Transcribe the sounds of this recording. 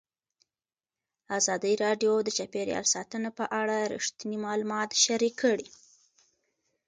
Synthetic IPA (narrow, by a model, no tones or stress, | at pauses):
azɑd̪əɾɑɖjod̪ət͡ʃapeɾjɑ̰lsɑt̪ənapəʔaɽaɾḭʂt̪inimɑlumɑt̪ʃaɾikʰːəɽi